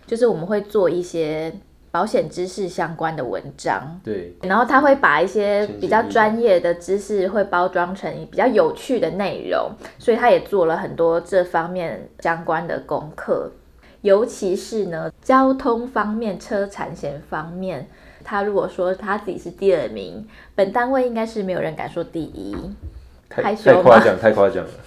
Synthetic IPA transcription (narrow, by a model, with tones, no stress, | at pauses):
t͡ɕjo˥˧ʊʂ̬ɻ̩˥˩wɔ˨˩mə˦nxwe˥˧ɪt͡swɔ˥˧i˥˩ɕjɛ˥ | pɑ˧˥ʊɕjɛ˨˩nʈ͡ʂɻ̩˥ʂɻ̩˥˩ɕjɑ˥ŋkwa˦nd̪ə̰˨wə̰˧˦nʈ͡ʂɑ̰˥ŋna˧˦nxo˥˩t̪ʰa˥xwe˥˩ɪpa˨˩i˥˩ɕjɛ˥pi˨˩t͡ɕjɑ˥˩ʊʈ͡ʂwa˦njɛ˥˩d̪ə˩ʈ͡ʂɻ̩˦ʂɻ̩˥˧xwe˥˩ɪpɑ˥ʊʈ͡ʂwɑ˥ŋʈ͡ʂʰə˧˥ŋi˧˥pi˨˩t͡ɕjɑ˥˩ʊjo˨˩ʊt͡ɕʰy˥˩d̪ə˩ne˥˩ɪɻo̰˧˥˦ŋswɔ˧˥i˨˩t̪ʰa˥jɛ˨˩t͡swɔ˥˩lə˩xə˨˩nt̪wɔ˦ʈ͡ʂɤ˥˨˩fɑ˥ŋmjɛ˥˩nɕjɑ˥ŋkwa˦nd̪ə̰˨kʊ̰˦˥ŋkʰɤ̰˥˩ | jo˧˥ʊt͡ɕʰi˧˥ʂɻ̩˥˩nə˨t͡ɕjɑ˦˥ʊt̪ʰʊ˥ŋfɑ˥ŋmjɛ˥˨˩nʈ͡ʂʰɤ˥ʈ͡ʂʰa̰˨˧˩nɕjɛ˧˥nfɑ˥ŋmjɛ˥˨˩n | t̪ʰa˥ɻu˧˥kwɔ˨˩ʂwɔ˥t̪ʰa˥t͡sɹ̩˥˩t͡ɕḭ˨˩ʂɻ̩˥˧t̪i˥˩ə˥˩mḭ˧˥ŋ | pə˨˩nt̪a˥˧nwe˥˩ɪi˥ŋka˥ɪʂɻ̩˥˩me˧˥ɪjo˨˩ɻə˧˦nka̰˨˩nʂo˥˧t̪i˥˧˩ʔḭ˦˥ | a˥ɪɕt͡ɕjɑ̰˨ŋk̪ʰa˥˧kʰa˥˧˩t͡ɕjɑ̰˨˩ŋ